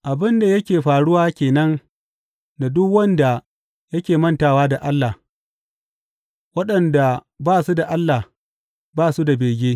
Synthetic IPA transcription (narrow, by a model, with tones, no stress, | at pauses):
ʔa˨bɪ˦nda˨jɐ˦kʲeː˨ɸaː˨ɽʊ˦waː˦kʲeː˨nɐ˦n | na˨dʊ˦kwɐ˦nda˨ | jɐ˦kʲeː˨mɐ˦ntaː˨waː˦da˨ʔa˦lːa˨ | wɐ˦ɗɐ˨nda˨ | baː˦˨su˦da˨ʔa˦lːa˨h | baː˦˨su˦da˨beː˨ɡʲeː˦